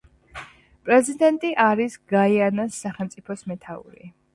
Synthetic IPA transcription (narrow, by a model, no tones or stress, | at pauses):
pʼɾɛzid̪ɛnt̪ʼiʔaɾisɡaianasːaχɛlˠmt̪sʼipʰɔsmɛt̪ʰaṵɾḭ